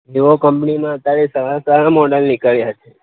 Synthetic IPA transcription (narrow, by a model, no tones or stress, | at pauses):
eʋokəmpnimãət̪aɭisaɾasaɾamɔɖəlnikəɭjat͡ʃʰe